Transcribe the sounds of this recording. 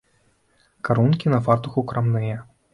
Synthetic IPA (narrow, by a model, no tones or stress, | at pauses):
kaɾunkʲinɐfart̪uxukɾamnɨjɛ